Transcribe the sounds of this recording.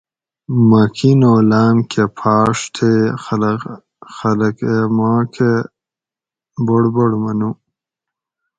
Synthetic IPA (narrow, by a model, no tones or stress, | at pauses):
makʰinolaːmkʰepʰɑːʂt̪ʰe | xɐləkemaːkʰe | boɽboɽmɐnu